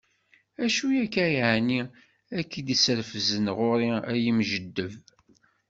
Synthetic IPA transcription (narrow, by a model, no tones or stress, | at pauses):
æʃujækːæjʕni | ækːid̪isəɾfəzənʁʊɾiæjəmʒəd̪ːəv